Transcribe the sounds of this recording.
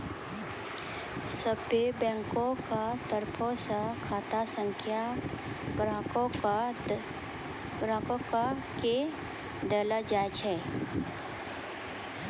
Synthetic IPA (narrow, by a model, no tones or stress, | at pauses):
səbebɛ̃ːŋkõkat̪əɾpʰõsakʰaːt̪asə̃ŋkʰja | ɡɾãːkõk | ɡɾãːkõka | ke | d̪ɛːləd͡ʒaːd͡ʒɛː